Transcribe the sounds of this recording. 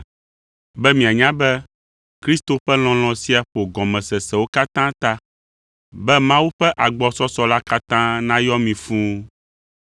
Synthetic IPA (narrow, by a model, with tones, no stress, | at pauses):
bɛ˦mĩ˨a˨ɲã˦bɛ˦ | kɾi˦st̪o˨ɸɛ˦l̃ɔ̃˨l̃ɔ̃˨si˦a˨ɸo˨ɡɔ̃˨mɛ̃˨sɛ˨sɛ˨wo˦ka˦t̪ã˦t̪a˦ | bɛ˦mã˦wu˦ɸɛ˦ʔa˨ɡ͡bɔ˦sɔ˦sɔ˦la˦ka˦t̪ã˦nã˦jɔ˦mĩ˨fũ˦